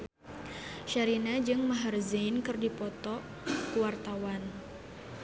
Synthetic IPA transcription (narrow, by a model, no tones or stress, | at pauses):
ʃaɾinad͡ʒɨŋmaɦarzinkɨrdipɔt̪ɔ | kuwart̪awan